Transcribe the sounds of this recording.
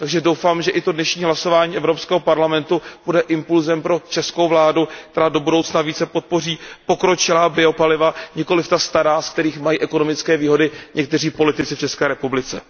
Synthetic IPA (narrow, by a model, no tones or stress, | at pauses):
t̪aɡʒɛdowfaːmʒɛʔɪt̪o̞dnɛʃɲiːɦlaso̞vaːɲiːʔɛvɾo̞pskɛːɦopaɾlamɛnt̪ub̥udɛʔɪmpulzɛmpɾo̞t͡ʃɛskowvlaːdukt̪ɛɾaːdo̞budowt͡snaviːt͡sɛpo̞t̪̚po̞riːpo̞kɾo̞t͡ʃɪlaːbɪo̞palɪvaɲɪko̞lɪft̪ast̪aɾaːsk̚t̪ɛɾiːxmajiːʔɛko̞no̞mɪt͡skɛːviːɦo̞dɪɲʔɛk̚t̪ɛr̝iːpo̞lɪt̪ɪt͡sɪft͡ʃɛskɛːɾɛpublɪt͡sɛ̰